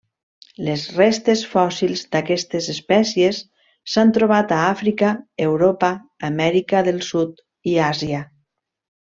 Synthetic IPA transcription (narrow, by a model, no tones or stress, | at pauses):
lezrest̪esfɔsilˠzd̪akɛst̪ezespɛsjesː | ant̪ɾoβ̞at̪aafɾikaewɾopaːmɛɾikaðelˠsut̪ | iazia